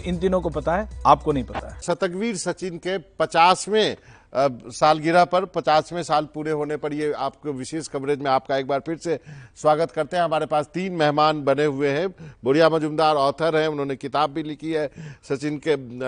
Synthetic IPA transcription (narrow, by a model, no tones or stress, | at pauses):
ɪnd̪ɪnõkopɐt̪aɦɛaːp̚konɐɦĩpɐt̪aɛsɐt̪əkʋiːɾsɐt͡ʃɪnkepɐt͡ʃaːsmẽ | saːlɡɪɾapɐɾpɐt͡ʃaːsmẽsaːlpuːɾeɦoːnepɐɽieaːp̚keʋɪʃeːʃkɐmɾeːd͡ʒmẽaːp̚kaeːk̚baːɾpʰɪɾseswaːɡət̪kɐɾt̪eɦɛ̃ɦɐmaːɾepaːst̪iːnmɛɦmaːnbɐneɦʊeɦɛ̃boɽijamɐd͡ʒʊmd̪aːɾɔːt̪ʰəɾɦɛ̃ʊnɦõːnekɪt̪aːbːʱilɪkʰiɦɛːsɐt͡ʃɪnke